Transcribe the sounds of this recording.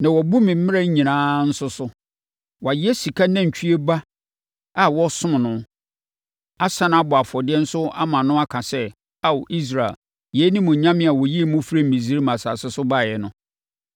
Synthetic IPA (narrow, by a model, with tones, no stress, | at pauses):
nã˨wɔ˨bu˦mɪ̃˨m̩˦mɪ̃˦ɾa˦ɲĩ˨nãː˦n̩˦sʊ˦sʊ˦ | wɔ˨a˨jɛ˦si˨kʰa˦nã˦ɲ̩˨t͡ɕᶣʰi˦e˦ba˦ | a˨wɔ˦sʊ̃˦m˨nʊ̃˦ | a˦sã˦nã˨a˦bʊ˨a˨fɔ˨dɪ˦ɛ˦n̩˦sʊ˦a˦mã˨nʊ̃˦a˦kʰã˨sɛ˦ | a˦wʔi˦s̬ɾa˨ɪ̰˨l | jɛ˨˦nĩ˦mʊ̃˨ɲã˦mɪ̃˦a˨wɔ˨ji˦e˨mʊ̃˦fi˦ɾe˦˨m̩˨mĩ˨zi˦ɾi˦mã˨sa̰˨sɪ˦sʊ˦ba˦˨jɛ˨nʊ̃˦